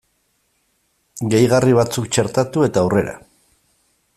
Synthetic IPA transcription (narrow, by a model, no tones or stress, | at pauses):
ɡe̞jɣariβ̞at͡suk̚t͡ʃe̞ɾt̪at̪ue̞t̪awre̞ɾa̰